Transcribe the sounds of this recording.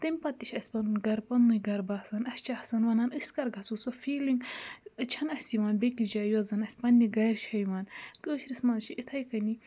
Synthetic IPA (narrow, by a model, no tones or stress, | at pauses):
t̪ɐmʲpɐt̪ːiʃʲɐsʲpɐnunɡɐɾpɐnːujɡɐɾbaːsɐnɐsʲt͡ʃahsɐnʋɐnaːnɨsʲkɐɾɡʱɐt͡susɐfiːliŋɡt͡ʃʰɐnɐsʲiʋaːnbekid͡ʒaːjɐzɐnɐsʲpɐnːiɡɐɾʃʰɐjʋaːnkəːʃɾismɐnzt͡ʃʰiit̪ʰɐjkɐni